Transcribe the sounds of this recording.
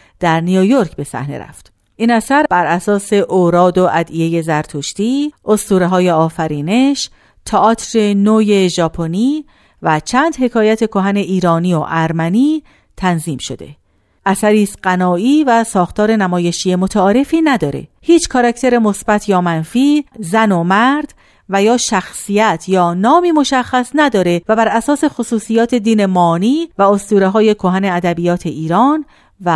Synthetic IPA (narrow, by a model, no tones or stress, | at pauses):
d̪̥æɾnijojo̞ɾcʰbe̞sæ̰hnḛɾæ̰ft̪ | ʔiːnæsæɾbæɾʔæsɒːse̞ʔoːɾɒːd̪o̞ʔæd̪ije̞je̞zæɾt̪ʰoʃt̪iːʔost̪uːɾeɦɒːje̞ɒːfæɾiːne̞ʃ | t̪ʰɒʔɒːt̪ʰɾenoːje̞ʒɒːpʰo̞niː | væt͡ʃʰæːnd̪he̞kʰɒːjæt̪ʰe̞kʰo̞ɦæne̞ʔiːɾɒːnioʔæɾmæniː | t̪ʰænziːmʃo̞d̪e̞̰ | ʔæsæɾiːst̪ɢænɒːiːvæsɒːxt̪ʰɒːɾe̞næmɒːje̞ʃije̞mot̪ʰæɒːɾe̞fiːnæd̪ɒːɾe̞̰hiːt͡ʃʰkʰɒɾækʰt̪ʰe̞ɾe̞mo̞sbæt̪ʰjɒːmænfiːzænomæɾd̪̥ | væjɒːʃæxsijæt̪ʰjɒːnɒːmiːmo̞ʃæxːæsnæd̪ɒːɾe̞væbæɾæsɒːse̞xosuːsijɒːt̪ʰe̞d̪iːne̞mɒːniːvæost̪uːɾeɦɒːje̞kʰoɦæneæd̪æbijɒːt̪ʰe̞ʔiːɾɒːn | væ